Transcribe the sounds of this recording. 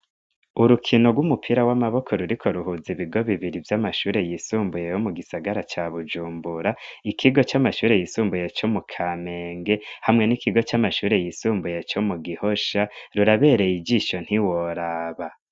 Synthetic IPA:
uɾukʰino̞ɡwumupʰiɾawamaβo̞kʰo̞ɾuɾikʰo̞ɾuɦuziβiɡo̞βiβiɾivjamaʃuːɾe̞jisuːmbuje̞jomuɡisaɡaɾat͡ʃaβud͡ʒuːmbuɾaikʰiɡo̞t͡ʃamaʃuːɾe̞jisuːmbuje̞t͡ʃo̞mukʰame̞ːŋɡe̞hamŋe̞nikiɡo̞t͡ʃamaʃuːɾe̞jisuːmbuje̞t͡ʃo̞muɡiho̞ʃaɾuɾaβe̞ːɾe̞jid͡ʒiʃo̞n̥hiwoɾaːβa

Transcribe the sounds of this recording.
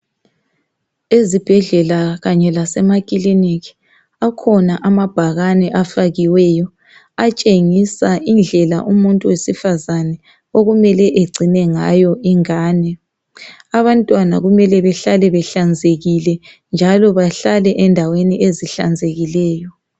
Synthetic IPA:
ezib̥ʱɛɮɛlaɣaɲɛlasɛmakʼiliniki̥ | akʰɔnaʔamab̥ʱaɣanɛʔafaɣiwɛjɔ | at͡ʃʼeŋisaʔind͡ɮʱɛla̰ʔumuntʼuwesifazanɛ | oɣumɛlɛʔeɡ͡ǀʱinɛŋajɔʔiŋaːnɛ | aβantʼwana̰ɣumɛlɛβɛɬalɛβɛɬand͡zʱeɣilɛ | nd͡ʒʱalɔβaɬalɛʔɛndʱaweniʔeziɬa̰nd͡zʱeɣilɛːjɔ

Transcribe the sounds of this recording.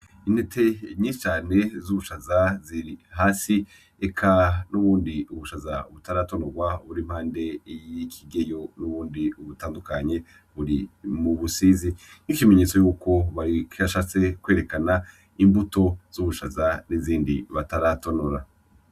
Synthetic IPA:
in̥etʰe̞ɲisi̥t͡ʃaːne̞zuβuʃazaziɾihaːsi | ekʰanuβuːndiuβuʃazaβutaɾato̞noɡwaβuɾim̥haːnde̞jikʰiɡe̞jo̞nuβuːndiuβutaːndukaɲe̞ | βuɾimuβusizi | nikime̞ɲe̞ːt͡so̞juːko̞βakiaʃat͡se̞kwe̞ːɾe̞kana | imbuto̞z̥uβuʃazaniziːndiβataɾatonoɾa

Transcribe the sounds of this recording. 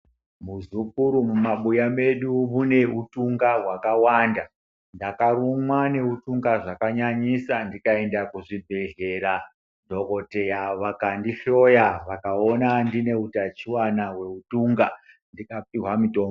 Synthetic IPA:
muzukuɾumumaɓujame̞ɗuβune̞utuŋɡaɦwakawanda | ndakarumwane̞utuŋɡaʐakaɲaɲisandikae̞ndakuʐibʱe̞ɮe̞ɾa | dʱo̞ko̞te̞jaʋakandiʃo̞jaʋakao̞nandine̞utat͡ʃiwanawe̞utuːŋɡa | ndikap̚iɦwamito̞ːmo

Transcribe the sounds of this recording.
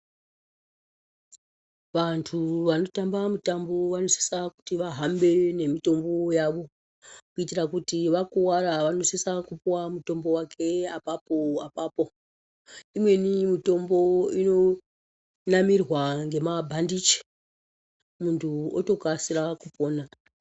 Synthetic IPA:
ʋantʰuʋano̞tambamutambo̞ʋano̞se̥saku̥tiʋaɦambe̞ne̞mito̞mbo̞jaʋo̞ | kuitirakutiʋakuwaɾaʋano̞sesakupuwamuto̞mbo̞wakʰe̞apapo̞apaːpo̞ | imwe̞nimito̞mbo̞ino̞ | namirwaŋɡe̞mabʱandit͡ʃi̥ | muntʰuoto̞kasiɾakupoːna

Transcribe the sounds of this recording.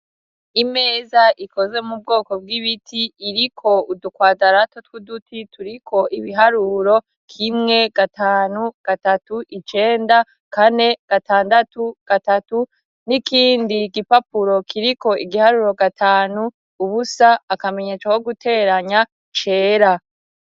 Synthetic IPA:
ime̞ːzaʔiko̞ze̞mub̚ɡo̞ːko̞b̚ɡiβitʰiːɾikʰo̞udukwaːdaɾatotwudutʰitʰuɾikʰo̞ʔiβiɦaɾuɾo̞ | kʰimŋe̞ɡ̥ataːnuɡ̥atatuʔit͡ʃe̞ːnda | kane̞ɡ̥ataːndatuɡ̥atatu | nikʰiːndiɡipapuɾo̞kʰiɾiko̞ʔiɡihaɾuɾo̞ɡatʰaːnuː | βusaːkame̞ɲe̞ːt͡ʃako̞ɡutʰe̞ːɾaɲa | t͡ʃe̞ːɾa

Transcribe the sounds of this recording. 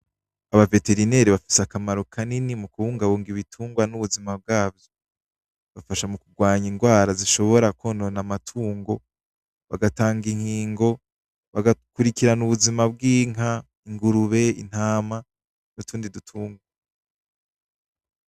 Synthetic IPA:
aβave̞te̞ɾine̞ːɾiβafi̥sakamaɾo̞kʰaninimukuβuːŋɡaβuːŋɡiβitʰuːŋɡwanuβuzimab̚ɡaːbjo | βafaʃamukuɡwaːɲiŋɡwaːɾaziʃo̞βo̞ɾakononamatʰuːŋɡo̞ | βa̰ɡataːŋɡiŋ̥hiːŋɡo̞ | βaɡakuɾikiɾanuβuzimab̚ɡiːŋa | iŋɡuɾuβe̞ḭn̥haːma | nutuːndidutʰuːŋɡwa

